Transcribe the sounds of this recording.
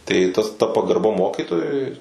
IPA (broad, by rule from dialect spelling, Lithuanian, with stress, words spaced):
tɐɪ tɐs tɐ pɐɡɐrˈbɐ ˈmoːkʲiːtoːjʊɪ